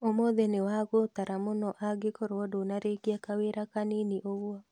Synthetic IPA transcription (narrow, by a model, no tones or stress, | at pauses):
omoðenewaɣotaɾamonɔʔaɡekoɾwɔdonaɾekiakaweɾakaniniʔoɣwɔ